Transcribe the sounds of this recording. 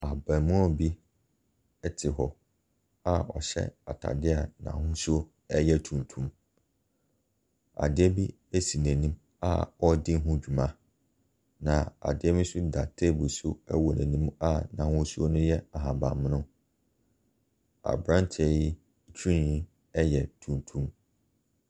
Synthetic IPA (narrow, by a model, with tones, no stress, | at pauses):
a˨bã˨mũ˦ɔ˦bi˦ | ɛ˦tʰɪ˨ɦɔ˨ | a˦ɔ˨ɕɛ̰˦a̰˨tʰa̰˨dɪ˦a˨nã̰˨hʊ̃˦su˦o˦ | ɛ˦jɛ˦tʰũ˨n˨tʰũ˦m | a̰˨dɪ˦ɛ˦bi˦ | æ˦si˨næ̃˨nĩ˦m | a̰˦˨ɔ˦dɪ˦ɦʊ̃˦d͡ʑᶣu˨mã˦ | nã˨a̰˨dɪ˦ɛ˦mĩ˦sʊ˦da˨tʰe˦˨bʊ˨su˦ɛ˦wɔ˨næ̃˨nĩ˦ma˦nã˨hʊ̃˦su˦o˦nʊ̃˦jɛ˦a˨ɦã˨bã˨m˦nʊ̃˦ | a̰˨bɾã˦ntʰɛ˨ji˦˨ | t͡ɕʰᶣĩ˦ĩ˦ | ɛ˦jɛ˨tʰũ˨ntʰũ˦m